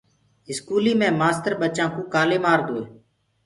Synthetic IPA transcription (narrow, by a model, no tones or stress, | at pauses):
ɪskuːliːmẽːmaːst̪əɾɓət͡ʃãːkoːkaːleːmaːɾd̪oːeː